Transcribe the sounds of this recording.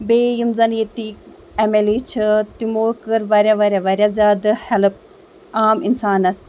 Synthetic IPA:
beːjimzɐnjet̪ik | ɐmelit͡ʃʰɨt̪imoːkɨɾʋɐɾʲaʋɐɾʲjaʋɐɾʲazʲaːd̪ɨhɛlɨp̚ | aːminsaːnɐs

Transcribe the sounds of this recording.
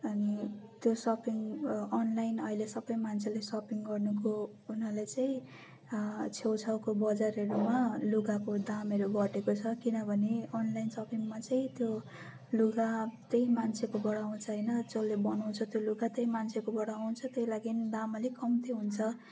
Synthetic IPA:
ʌnit̪josʌpiŋʌnlajnʌilesʌbʌjmant͡sʰelesʌpiŋɡʌrnuko | unʌlet͡saĩ | t͡sʰewt͡sʰawkobʌd͡zareɾumaluɡakod̪amʌɾuɡʌʈekot͡sʰʌkinʌbʱʌneʌnlajnsʌpiŋmat͡saĩt̪jo | luɡat̪eimant͡sʰekobʌɽaw̃ũt͡sʰʌɦʌjnʌd͡zʌlːebʌnʌw̃t͡sʰʌt̪joluɡat̪ejmant͡sʰekobʌɽaaw̃t͡sʰʌt̪ʌjlaɡind̪amalekʌmt̪iɦunt͡sʰʌ

